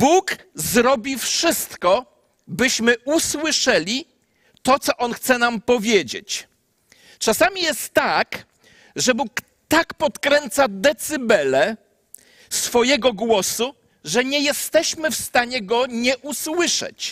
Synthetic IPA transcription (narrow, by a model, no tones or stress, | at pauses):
bukzɾɔbʲifʂɘst̪kɔ | bɘɕmɘʔuswɘʂɛlʲi | t̪ɔt̪sɔʔɔnxt̪sɛnampɔvʲjed͡ʑḛt͡ɕ | t͡ʂasamʲijɛst̪ːak | ʐɛbuk | t̪akpɔt̪kɾɛnt̪sad̪ɛt̪sɘbɛlɛ | sfɔjɛɡɔɡwɔsu | ʐɛɲɛjɛst̪ɛɕmɘfst̪aɲɛɡɔɲɛʔuswɘʂɛ̰t͡ɕ